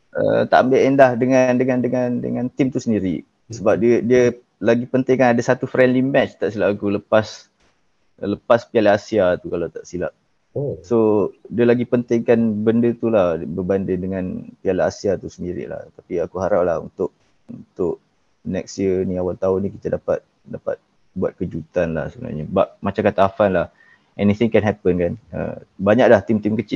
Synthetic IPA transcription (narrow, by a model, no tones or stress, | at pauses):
ʔə̰t̪a̰ʔambeʔɛndahdəŋandəŋandəŋandə̰ŋant̪ɪmt̪usəndiɾḭ | səbap̚diədiə | laɡipənt̪ɪŋkanadasat̪ufɾɛndlimɛt͡ʃt̪aʔsilaʔakuləpas | ləpaspialaasiat̪ukalawt̪aʔsila̰ʔ̚ | sodiəlaɡipənt̪ɪŋkanbəndət̪ulahbəbandəndəŋãnpialaasiat̪usəndiɾḭla̰ht̪apiakuɦaɾap̚lahṵnt̪ʊʔ̚ | unt̪ʊʔ | nɛksjəniawalt̪aunikit̪adapa̰t̪̚ | dapa̰t̪̚ | buat̪̚kəd͡ʒut̪anla̰hsəbəna̰rɲabaʔ̚mat͡ʃaŋkat̪aafanlah | ʔɛniθɪŋkɛnɦɛpənkanə̰baɲaʔ̚laht̪imt̪imkət͡ʃɪl